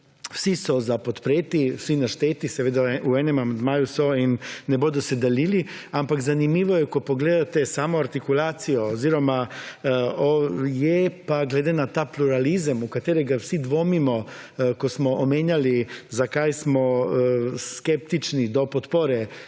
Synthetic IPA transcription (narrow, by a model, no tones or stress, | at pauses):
wsisozapot̪pɾeːt̪iwsinaʃt̪eːt̪isɛʋeːd̪auenemamand̪maːjusoinːebod̪used̪aliliampakzanimiːʋojɛkopoɡleːd̪at̪esaːmoaɾt̪ikulaːt̪sijooziɾoma | ojɛpaɡled̪enat̪aːpluɾalizamukat̪eːɾɛɡawsid̪ʋomimo | kosmɔʔomeːɲalizakaːjsmo | skept̪it͡ʃnid̪opot̪poɾe